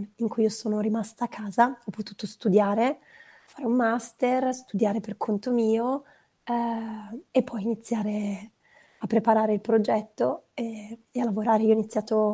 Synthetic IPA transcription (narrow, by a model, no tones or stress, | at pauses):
iŋkujiosoːnoɾimast̪aːkʰːaːzaɔpːot̪uːt̪ost̪ud̪jaːɾe | faːɾeumːast̪erst̪ud̪jaːɾeperkʰont̪omiːo | epːɔjinit̪sːjaːɾe | apːɾepaɾaːɾeilpɾod͡ʒɛt̪ːoe | ealːavoɾaːɾeiɔinit̪sːjaːt̪o